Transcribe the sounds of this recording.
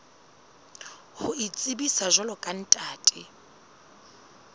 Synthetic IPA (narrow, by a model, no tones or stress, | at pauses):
hʊit͡sʼibisaʒɔlɔkʼan̩tʼaːtʼɪ